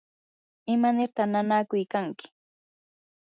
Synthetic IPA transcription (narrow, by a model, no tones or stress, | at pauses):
ɪmanɪɾt̪ananakʊjkaŋkɪ̥